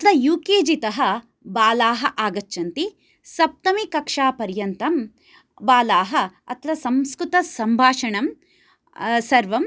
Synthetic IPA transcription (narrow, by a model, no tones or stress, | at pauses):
ɐt̪ʰɾɐjuːkeːd͡ʒit̪ɐɦɐ̆ | baːlaːɦɐʔaːɡɐt͡ʃːʃɐnt̪i | sɐp̚t̪ɐmikɐkʂaːpɐɾjɐnt̪ɐm | baːlaːɦɐɐ̰t̪ʰɾɐsɐmskɾut̪ɐsɐmbʱaːʂɐɳɐm | sɐɾʋɐm